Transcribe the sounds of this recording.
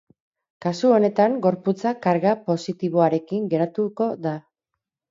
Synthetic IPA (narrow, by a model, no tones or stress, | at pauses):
kasuo̞ne̞t̪aŋɡo̞ɾput͡sakaɾɣapo̞sit̪iβ̞o̞aɾe̞kiŋɡe̞ɾat̪uko̞ða